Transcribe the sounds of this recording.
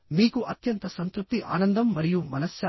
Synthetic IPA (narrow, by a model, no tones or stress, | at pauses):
miːkuʔɐt̪jɐnt̪ɐsɐnt̪ɾup̚t̪iʔa̰ːnɐnd̪ɐmːɐɾijumɐnɐsjɐ